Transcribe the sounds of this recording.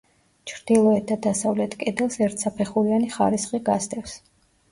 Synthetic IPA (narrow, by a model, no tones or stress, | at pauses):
t͡ʃʰɾd̪ilˠɔɛt̪ʰːad̪asavlɛt̪ʰkʼɛd̪ɛlˠsɛɾt̪ʰsapʰɛχuɾianiχa̰ɾisχʼiɡast̪ʼɛfs